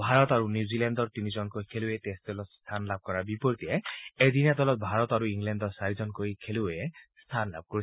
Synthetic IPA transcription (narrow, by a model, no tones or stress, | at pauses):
bʱaɾɔt̪aɾunjuzilɛndɔɾt̪inizɔnkojkʰeluet̪esd̪ɔlɔt̪st̪ʰanlab̚kɔɾabipɔɾit̪ieed̪inad̪ɔlɔt̪̚bʱaɾɔt̪aɾuiŋlɛndɔsaɾid͡ʒɔnkoikʰeluest̪ʰanla̰b̚kɔɾi